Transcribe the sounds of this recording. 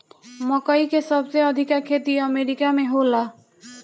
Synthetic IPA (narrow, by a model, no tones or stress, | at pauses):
məkəikesəbseəd̪ʱɪkakʰːeːt̪iəmeɾɪkamẽɦola